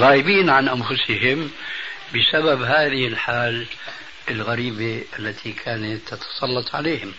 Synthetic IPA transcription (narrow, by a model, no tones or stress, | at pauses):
ɣaːʔɪbiːnʕanʔanfʊsɪɦɪmbɪsababɦaːðɪhɪlħaːl | ɪlɣaɾiːbeʔalːat̪ʰikʰaːnat̪ːɑt̪ʰɑ̥sˤɑlːɑt̪ˤʕa̰leːhɪm